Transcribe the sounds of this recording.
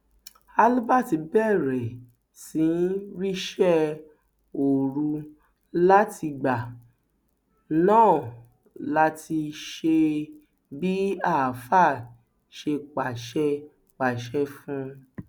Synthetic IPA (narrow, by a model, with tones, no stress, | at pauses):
a˧lu˦ba˦˨ti˧˦bɛ˦˨ɾɛ˨ | sĩ˨˦n˦ɾi˦ʃɛ˦ | o˨ɾu˧ | la˦tʰi˧ɡ͡ba˨ | nãː˦˨ | la˦ti˧ʃe˧ | bi˦a˦˨fa˦˨ | ʃe˧k͡pa˨ʃɛ˧ | k͡pa˨ʃɛ˦fũ˦